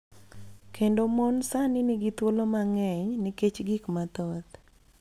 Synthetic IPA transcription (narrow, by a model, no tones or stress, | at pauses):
kʰendomɔnsanɪnɪɡɪt̪wolomaŋɛɲnɪket͡ʃɡɪkmat̪ɔt̪